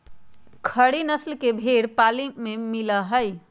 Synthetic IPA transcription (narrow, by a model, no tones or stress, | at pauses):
kʰəɽinəslkebʱeɽpalimemiləɦəj